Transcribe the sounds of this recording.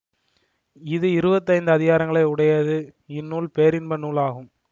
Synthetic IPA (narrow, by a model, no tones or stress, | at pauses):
ɪðɯɪɾɯbɐt̪ːɐɪnd̪ɯɐðɪɣaːɾɐŋɡɐɭɐɪʊɽɐjɐðɯɪnːuːlpejːɾɪnbɐnuːlaːɣɯm